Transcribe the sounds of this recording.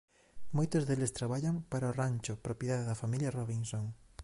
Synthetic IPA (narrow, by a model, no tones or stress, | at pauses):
mojt̪ozðelest̪ɾaβaʎaŋpaɾaoranʲt͡ʃopɾopjeðaðeðɐfamiljɐroβinsoŋ